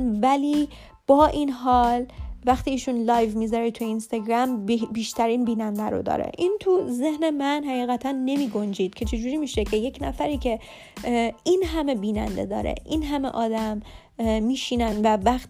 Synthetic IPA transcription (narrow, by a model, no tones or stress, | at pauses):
nvæliː | b̥ɒːʔinɦɒːlvæxt̪iːʃunlɒːjvmiːzɒːɾet̪ʰujeinst̪ɒɡɾæmbiːʃt̪ʰæɾiːnbiːnænd̪æɾo̰d̪ɒ̰ːɾḛʔiːnt̪ʰuze̞hne̞mænhæɣiːɣæt̪ʰænːe̞miːɡo̞nd͡ʒiːd̪̥̚cʰe̞t͡ʃʰed͡ʒuːɾiːmiːʃecʰe̞je̞cnæfæɾiːcʰe | iːnɦæme̞biːnæ̰nd̪e̞̰d̪ɒ̰ːɾḛʔiːnɦæmḛʔɒːd̪æmː | iːʃiːnænvævæxt̪